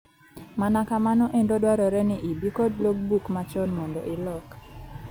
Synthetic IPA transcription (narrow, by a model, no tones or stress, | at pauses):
manakamanɔʔendodwaɾɔɾɛnɪʔibikodloɡ̚bukmat͡ʃɔnmɔndɔʔɪlɔk